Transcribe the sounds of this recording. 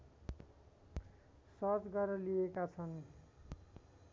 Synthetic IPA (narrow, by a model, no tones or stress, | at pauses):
sʌt͡sɡʌɾʌliekat͡sʰʌn